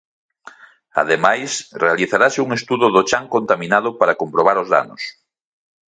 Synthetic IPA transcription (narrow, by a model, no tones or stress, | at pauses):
a̰ðemajsrealiθaɾasɪuŋest̪uðʊðot͡ʃaŋkont̪amĩnað̞ʊpaɾakompɾoβ̞aɾozða̰nos